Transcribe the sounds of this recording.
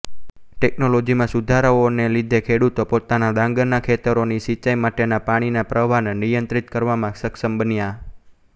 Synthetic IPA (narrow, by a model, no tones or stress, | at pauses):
ʈɛknolod͡ʒimãsud̪ʱaɾəonelid̪ʱekʰeɽut̪opot̪anad̪ãŋɡəɾnakʰet̪əɾonisit͡ʃajmaʈenapaɽ̃inapɾəʋannijənt̪ɾit̪kəɾʋamãsəksəmbənja